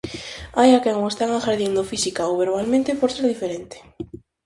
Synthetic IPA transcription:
ajakɛŋoest̪aŋaxaɾðind̪ofisikaoβeɾβalmẽnt̪epoɾseɾðifeɾent̪e̥

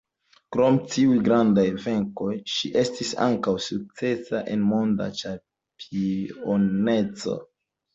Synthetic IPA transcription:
kɾo̞mtiujɡɾandajve̞ŋko̞jʃiʔe̞stisa̰ŋkawsuk̚t͡se̞saʔe̞nmo̞nda̰t͡ʃa | pʰione̞t͡so̞̰

